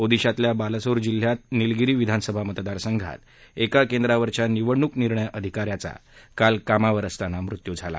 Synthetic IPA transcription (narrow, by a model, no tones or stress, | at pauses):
od̪iɕat̪ljabalsoɾd͡ʑil̤ːjat̪̚nilɡiɾiːʋid̪ʱanəsəbʱamət̪d̪aɾsəŋɡʱa̰t̪ | ekakẽnd̪ɾaʋəɾt͡ɕjaniʋəɽɳukniɾɳəjəd̪ʱikaɾjat͡sa̰kalkamaʋəɾəst̪anamɾut̪jud͡zʱala̰